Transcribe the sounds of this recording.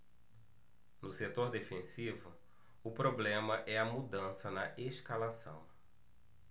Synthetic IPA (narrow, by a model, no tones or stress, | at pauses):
nʊset̪oɾd̪efẽsivʊ | ʊpɾoblẽmɐʔɛɐmud̪ɐ̃sɐnɐʔeskalasɐ̰̃w̃